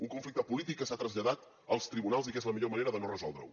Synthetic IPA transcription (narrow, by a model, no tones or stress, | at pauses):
uŋkuɱflik̚t̪əpulit̪ikːəsat̪ɾəzʎəðat̪ | əlˠst̪ɾiβunalˠzikezləmiʎoməneɾəðənorəzɔlˠd̪ɾə̰w